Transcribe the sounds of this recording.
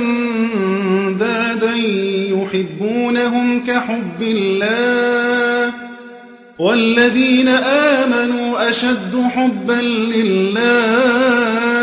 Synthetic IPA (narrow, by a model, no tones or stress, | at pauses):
d̪aːd̪anɪjʊħɪbːuːnaɦʊmkaħʊbːɪlːaː | walːaðiːnaʔaːmanuːʔaʃad̪ːʊħʊbːanlɪlːaː